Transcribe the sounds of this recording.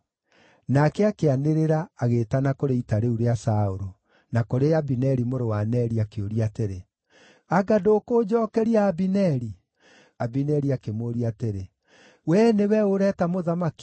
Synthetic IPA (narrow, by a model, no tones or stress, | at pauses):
nakɛakeaneɾeɾaːɣetanakoɾeitaɾeuɾeasaoɾo | nakoɾeabinɛɾimoɾowanɛɾiakeoɾiateɾe | aɡadoːkod͡ʑɔːkɛɾiaːbinɛɾi | abinɛɾiakemoːɾiateɾe | wɛnewɛoɾɛtamoðamaki̥